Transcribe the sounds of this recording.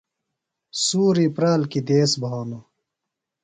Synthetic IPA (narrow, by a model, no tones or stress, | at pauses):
suːɾipɾaːlkid̪eːsbʱaːno